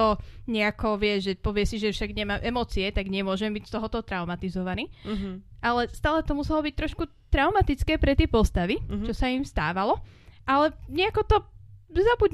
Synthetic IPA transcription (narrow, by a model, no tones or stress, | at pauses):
ɔɲɛakɔʋɪɛzʒɛpɔʋɪɛsiʒɛfʃaɡɲɛmaːmʔɛmɔt͡siɛt̪aɡɲɛmʊɔʒɛmbicst̪ɔɦɔt̪ɔt̪ɾaʊmat̪izɔʋaniː | ʔalɛst̪aːlɛt̪ɔmusɛlɔbic̚t̪ɾɔʃkut̪ɾaʊmat̪it͡skɛːpɾɛt̪ɛːpɔst̪aʋit͡ʃɔsaimst̪aːʋalɔ | ʔalɛɲɛakɔt̪ɔzabuɟ